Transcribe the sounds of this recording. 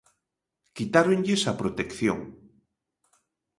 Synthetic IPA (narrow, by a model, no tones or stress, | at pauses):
kit̪aɾoŋʎesɐpɾot̪ekθjo̰ŋ